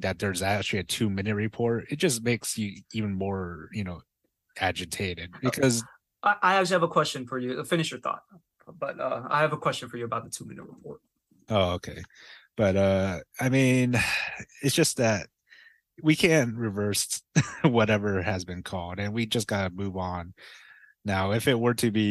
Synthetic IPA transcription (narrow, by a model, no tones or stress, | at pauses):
ðɨt̪̚ðə˞zæk̚t͡ʃʉl̩ˠiɨtʰʉmɪ̃nɨt̚ɹɨpʰɔɹtɨt̚d̥ʒ̥ʌs̚meɪksjɨiṽnmɔɹjɨnoʊ | æd͡ʒɨtʰeɪɾɪd̚bɨkʰʌz | ʔaɪʔaɪæk̚t͡ʃl̩ˠihɨvəkʰw̥ɛst͡ʃɨ̃nfə˞jɨfɪ̃nɨʃjə˞θɔ̰t̚ | b̥ʌtʌa̰ɪɨvəkʰw̥ɛst͡ʃɨ̃n̩fə˞jɨəbaʊt̪̚ðətʰʉmɪ̰̃nɨ̰t̚ɹəpʰɔɹt̚ | oʊoʊkʰeɪb̥ʌɾʌaɪmĩnɪtsd̥ʒ̥ʌs̚ðɨt̚ | wikʰæ̃nʔɹɨvɜ˞s | wʌɾɛvə˞ɨzbɨ̃nkʰɔlˠdɨ̃nwid͡ʒʌsɡ̥ɑɾɨmuʉvn̩ː | aʊɨfɪt̚wə˞ɾɨbi